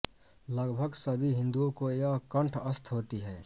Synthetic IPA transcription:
ləɡbʱəɡsəbʱiɦɪ̃nd̪uõkojakə̃ɳʈʰəst̪ʰɦoːt̪iɦɛː

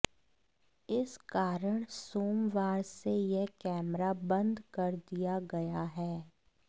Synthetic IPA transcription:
ɪskaːɾəɽ̃soːmʋaːɾsejekɛːmɾabɐ̃nd̪kɐɾd̪ijaɡɐjaɦɛː

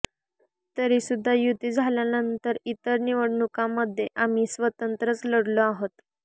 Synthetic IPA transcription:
t̪əɾisud̪ʱːajut̪id͡zʱaljanənt̪əɾit̪əɾniʋəɽɳukãməd̪ʱːjeʔamiːsʋət̪ənt̪ɾət͡sləɽloaɦot̪

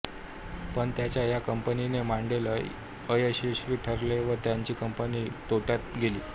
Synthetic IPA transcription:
pəɳt̪jat͡ɕjajakəmpəninemaɳɖelə | əjəɕiɕʋiʈʰəɾleʋət̪jaɲt͡ɕiːkəmpəniːt̪oʈjat̪ɡeliː

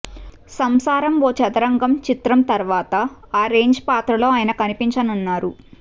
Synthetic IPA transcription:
sɐmsaːɾɐmʋoːt͡ʃɐt̪ɐɾɐŋɡɐmt͡ʃit̪ɾɐmt̪ɐɾʋaːt̪ɐaːɾe̞ːɲd͡ʒpaːt̪ɾɐlo̞ːaːjɐnɐkɐnipiɲt͡ʃɐnunːaːɾu

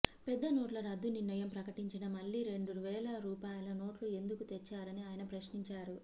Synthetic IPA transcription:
pɛd̪ːɐnoːʈlɐɾɐd̪ːuniɾnɐjɐmpɾɐkɐʈiɲt͡ʃinɐmɐɭːiɾe̞ɳɖuʋɛːlɐɾuːpaːjlɐno̞ːʈlue̞nd̪ukut̪et͡ʃːaːɾɐniaːjɐnɐpɾɐʃniɲt͡ʃaːɾu

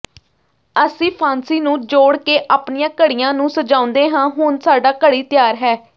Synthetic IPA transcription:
əsĩːpʰaːnsiːnũːd͡ʒoːɽkeːʔaːpɳijãːkəɽijãːnũːsəd͡ʒãːʊ̃nd̪eːɦãːɦʊːnsaːɖaːkəɽiːt̪ɪjaːɾɦɛː

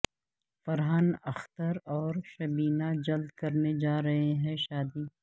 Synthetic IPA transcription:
fɐɾɦanɐxt̪əɾɔːɾʃɐbiːnad͡ʒɐld̪̚kɐɾned͡ʒaːɾɐɦeɦɛ̃ʃaːd̪iː

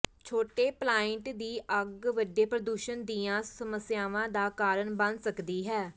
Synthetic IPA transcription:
t͡ʃʰoːʈeːplaːɪɳʈd̪iːʔəɡʋəɖeːpɾəd̪uːʃənd̪iːãːsəməsjaːʋãːd̪aːkaːɾəɳbə̃nd̪səkd̪iːɦɛː

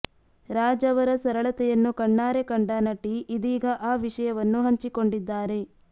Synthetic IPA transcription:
ɾaːd͡ʒɐʋɐɾɐsɐɾɐɭɐt̪ɛjɐnːukɐɳːaːɾekɐɳɖɐnɐʈiːd̪iːɡɐʔaːʋiʂɐjɐʋɐnːuɦɐɲt͡ʃiko̞ɳɖid̪ːaːɾe̞

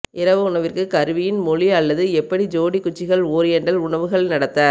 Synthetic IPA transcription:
ʔɪɾɐʋɯʊɳɐʋɪrkɯkɐɾɯʋɪjɪnmɔɭiɐlːɐðɯɛpːɐɽid͡ʒoːɽikːʊt͡ʃːɪɣɐɭoːɾɪjɛɳɖɐlʊɳɐʋɯɣɐɭnɐɽɐt̪ːaːɾ

